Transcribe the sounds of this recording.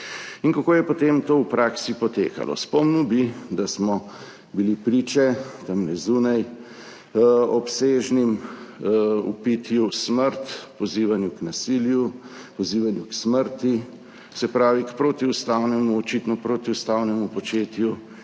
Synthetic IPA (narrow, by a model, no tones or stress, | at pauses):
iŋkakoːjɛpot̪emt̪oːwpɾaːksipɔt̪eːka̰lɔ̰spɔmnubid̪asmɔ | bilipɾiːt͡ʃɛt̪ɐmnɛzuːnaj | ɔpseːʒnim | ṵpit̪jusməɾt̪pɔziːʋanjuknasiːljupɔziːʋanjuksməɾt̪i | sɛpɾaːʋikpɾoːt̪iust̪awnɛmuɔt͡ʃit̪nɔpɾoːt̪iust̪aːwnɛmupɔt͡ʃeːt̪ju